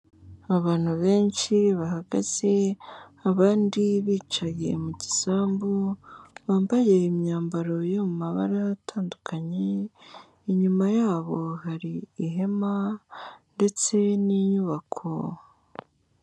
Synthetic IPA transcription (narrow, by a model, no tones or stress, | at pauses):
aβaːn̥huβe̞ːnʃiβaɦaɡa̰z̥e̞aβaːndiβiːt͡ʃaje̞̰muɟisaːmbuβaːmbaje̞imɲaːmbaɾo̞jomumaβa̰ɾatʰaːndukʰaɲe | iɲumajaːβo̞haɾiːɦe̞ma | nde̞t͡se̞niɲuβakʰo̞̰